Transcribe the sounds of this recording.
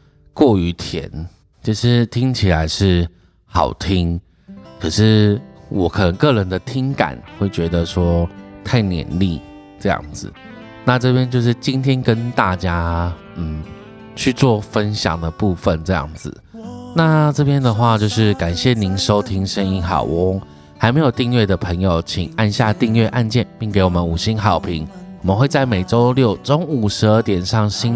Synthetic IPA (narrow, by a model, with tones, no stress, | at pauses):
kwɔ˥˩y˧˥t̪ʰjɛ̰˧˥n | t͡ɕʰi˥˧ʂɻ̩˥˩t̪ʰi˦˥ŋt͡ɕʰi˨˩la˧˦ɪʂɻ̩˥˩ | xɑ̰˨˩ʊt̪ʰi˥ŋ | kʰɤ˨˩ʂɻ̩˥˩wɔ˨˧kʰɤ˨˩nə˧˦ŋkɤ˥˩ɻə˧˦nd̪ə˨t̪ʰi˥ŋka̰˨˩˦nxwe˥˩ɪt͡ɕɥɛ˧˥d̪ə˨ʂwɔ˥t̪ʰa˥˩ɪnjɛ̰˧˦nli˥˨ | ʈ͡ʂɤ˥˧jɑ̰˥˩ŋd͡zɹ̩̰˨˩ | na˥˧ʈ͡ʂɤ˥˩pjɛ˥nt͡ɕjo˥˧ʊʂ̬ɻ̩˥˩t͡ɕi˥nt̪ʰjɛ˥nkə˦nt̪a˥˩t͡ɕja˥ | n̩˥˩ | t͡ɕʰy˥˧t͡swɔ˥˧fə˦˥nɕjɑ̰˨˩ŋd̪ə˩pu˥˩fə˨nʈ͡ʂɤ˥˧jɑ̰˥˩ŋd͡zɹ̩˩na˥˨ʈ͡ʂɤ˥˧˩pʰjɛ˥nd̪ə˨xwa˥˧t͡ɕjo˥˧ʊʂɻ̩˥˩ka˨˩nɕjɛ˥˩ni˧˥˦nʂo˥ʊt̪ʰi˥ŋʂə˥ni˧˥ŋxɑ̰˨˩ʊʔʊ˦ŋ | xa˧˥ɪme˧˥ɪjo˨˩ʊt̪i˥˧ŋɥɛ˥˩d̪ə˩pʰɤ˧˥ŋjo˨˧ʊt͡ɕʰḭ˨˩ŋa˥˧nɕja˥˧t̪i˥˧ŋɥɛ˥˧ʔa˥˧nt͡ɕjɛ˥˧˨npi˥˩ŋke˧˥ɪwɔ˨˩mə˦nu˨˩ɕi˥nxɑ˨˩ʊpʰi˧˦ŋwɔ˨˩mə˦nxwe˥˧ɪt͡sa˥˩ɪme˨˩ɪʈ͡ʂo˥ʊljo˥˩ʊʈ͡ʂo˥ŋu˨˩ʂɻ̩˧˥ə˥˧˩t̪jɛ˨˩nʂɑ˥˩ŋɕi˥n